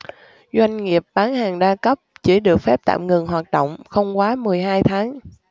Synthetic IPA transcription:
zwa˧jŋ̟ŋi˨˩əp̚ɓaː˨˦nhaː˨˩ŋɗaː˧kə˦˥p̚t͡ɕi˧˩ɗɨ˨˩ək̚fɛ˦˥p̚t̪a̰ː˧˨mŋɨ˨˩ŋɦwaː˨˩t̚ɗo̰˧˨wŋ͡mxə˧wŋ͡mkwaː˨˦mɨ˨˩əjɦaː˧jt̪ʰaː˨˦ŋ

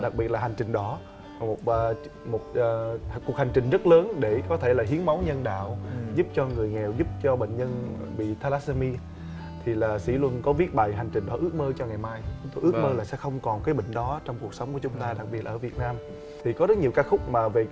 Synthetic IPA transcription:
ɗa˨˩k̚ɓi˨˩ət̚laː˨˩ɦa˨˩ŋ̟t͡ɕï˨˩ŋ̟ɗɔ˨˦˨ | mo˨˩t̚ː | mo˨˩t̚ːku˨˩ək̚ha˨˩jŋ̟t͡ɕï˨˩ŋ̟zə˦˥t̚ləː˨˦nɗe˧˩kɔ˨˦t̪ʰe˧˩laː˨˩ɦi˨˦ənma˨˦wɲə˧nɗa̰ː˧˨wzu˦˥p̚t͡ɕɔ˧ŋɨ˨˩əjŋɛ˨˩wzu˦˥p̚t͡ɕɔ˧ɓḛ˧˨ŋ̟ɲə˧nɓḭ˧˨t̪ʰaː˧laː˦˥sə˧mi˧ | t̪ʰi˨˩laː˨˩sḭ˧˥lwu˧nkɔ˨˦vi˨˦˥ət̚ɓa̰˧˨jɦa˨˩jŋ̟t͡ɕï̟˨˩ɗɔ˨˦ʔɨ˦˥ək̚məː˧t͡ɕɔ˧ŋa˨˩jmaː˧jt͡ɕʊ˨˦ŋ͡mt̪o˧jʔɨ˦˥k̚məː˧laː˨˩sɛ̰˧˥xə˧wŋ͡mkɔ˨˩nkaː˨˦jɓḭ˧˨ŋ̟ɗɔ˨˦t͡ɕɔ˧wŋ͡mku˨˩ək̚sə˨˦wŋ͡mku˧˩ət͡ɕʊ˨˦ŋ͡mt̪aː˧ɗa˨˩k̚ɓi˨˩ət̚ʔəː˧˩vi˨˩ət̚naː˧m | t̪ʰi˨˩kɔ˨˦zəː˦˥t̚ɲi˨˩əwkaː˨˧˥xʊ˦˥k͡p̚maː˨˩ve˨˩

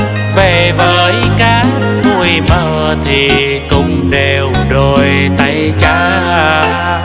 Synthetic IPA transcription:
ve˧˩vəː˨˦jkaː˨˦n | vu˧˩əjməː˨˩ | t̪ʰi˨˩ | kʊ˧˨ŋ͡mɗe˨˩w | ɗo˨˩j | t̪a˧˩jt͡ɕaː˧˦ | aː˧˩

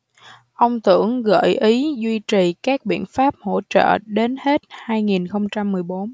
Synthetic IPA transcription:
ʔə˧wŋ͡mt̪ɨ̰˧˩əŋɣə̰ː˧˨jʔi˨˦zwi˧t͡ɕi˨˩kaː˦˥k̚ɓḭ˧˨ənfaː˦˥p̚ho̰˧˥t͡ɕə̰ː˧˨ɗe˨˦nhe˦˥t̚haː˧jŋi˨˩nxə˧wŋ͡mt͡ɕa˧mːɨ˨˩əjɓo˨˦n

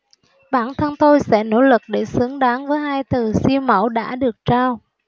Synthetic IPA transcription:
ɓaː˧˩nt̪ʰə˧nt̪o˧jsɛ̰˧˥no̰˧˥lɨ˨˩k̚ɗe˧˩sɨ˨˦əŋɗaː˨˦nvəː˨˦jhaː˧jt̪ɨ˨˩si˧əwmə̰˧˩wɗa̰ː˧˥ɗɨ˨˩ək̚t͡ɕaː˧w

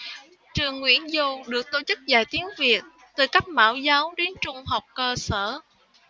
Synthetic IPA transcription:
t͡ɕɨ˨˩əŋːwḭ˧˥˩ənzo˧ɗɨ˨˩ək̚t̪o˧˩t͡ɕɨ˦˥k̚zaː˧˩jt̪i˨˦əŋvi˨˩ət̚ | t̪ɨ˨˩ka˦˥k̚ma̰ː˧˩wzaː˨˦wɗe˨˦nt͡ɕʊ˧ŋ͡mɦa˨˩wk͡p̚kəː˧səː˧˩˨

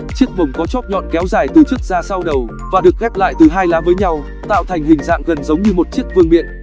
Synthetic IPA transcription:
t͡ɕi˦˥ək̚və˨˩wŋ͡mkɔ˨˦t͡ɕɔ˦˥p̚ɲɔ̰˧˨nkɛ˨˦wzaː˨˩jt̪ɨ˨˩t͡ɕɨ˦˥k̚zaː˧sa˧wɗə˨˩w | vaː˨˩ɗɨ˨˩ək̚ɣɛ˦˥p̚la̰ː˧˨jt̪ɨ˨˩ɦaː˧jlaː˨˦vəː˨˦jɲa˧w | t̪a̰ː˧˨wt̪ʰa˨˩jŋ̟ɦï˨˩ŋ̟za̰ː˧˨ŋɣə˨˩nzə˨˦wŋ͡mɲɨ˧mo˨˩t̚t͡ɕi˦˥ək̚vɨ˧əŋɓḭ˧˨ən

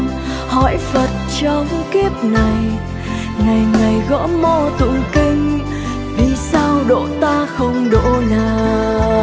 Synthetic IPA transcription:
hɔ˧˥jfə˨˩t̚t͡ɕɔ˨˧˦ŋ͡mki˦˥əp̚na˨˩j | ŋa˨˩jŋa˨˩jɣɔ̰˧˥mo˧t̪ṵ˧˨ki˧ŋ | ɓi˧˨˩saː˧wɗo̰˧˨t̪aː˧xə˧wŋ͡mɗo̰˧˨naː˨˩

